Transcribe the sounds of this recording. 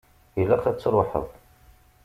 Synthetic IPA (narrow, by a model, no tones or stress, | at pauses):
jəlːæqæt͡sːɾˤoħə̰ðˤ